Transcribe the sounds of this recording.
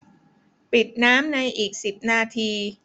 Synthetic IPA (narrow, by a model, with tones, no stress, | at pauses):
pi˨˩t̪̚naː˦˥mna˧jʔiː˨˩k̚si˨˩p̚naː˧t̪ʰiː˧